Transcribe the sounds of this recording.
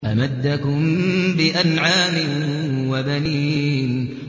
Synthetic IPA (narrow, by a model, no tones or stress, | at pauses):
ʔamad̪ːakʊmbɪʔanʕaːmɪnwabaniːn